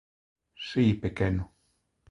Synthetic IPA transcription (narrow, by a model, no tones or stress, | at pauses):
siːpekeno